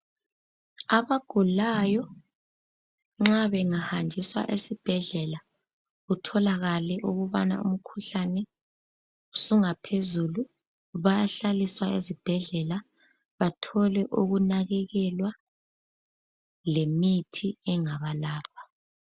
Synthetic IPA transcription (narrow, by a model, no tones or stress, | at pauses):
aβaɡ̥ʱulajɔ | ŋ͡ǁaβɛŋahandʱiswa̰ʔesib̥ʱɛɮɛla | ɣutʰɔlaɣalɛʔuɣuβa̰na̰ṵm̩kʰuɬanɛ | usuŋapʰezulu | βajaɬaliswaezib̥ʱɛɮɛla | βatʰɔlɛʔuɣunaɣɛɣɛlwa | lemitʰiɛŋaβalaːlwa